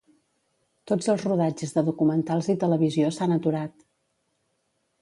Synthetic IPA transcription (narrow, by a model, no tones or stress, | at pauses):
t̪od͡zəlˠzruðad͡ʒəzðəðukumənt̪alˠzit̪ələβiziosanət̪uɾat̪